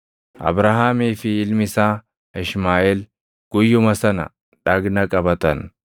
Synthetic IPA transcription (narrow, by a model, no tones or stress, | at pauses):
ʔɐ̰bɾaɦaːmiːfɪɪlmɪsaː | ɪʃmaːʔeːl | ɡ̥ʊjːʊmɐsɐnɐ̰ | ᶑɐɡnɐkʼɐbɐt̪ɐn